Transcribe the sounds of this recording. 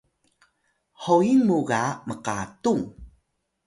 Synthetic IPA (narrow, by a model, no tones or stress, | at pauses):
hoinmuɡaməqatuŋ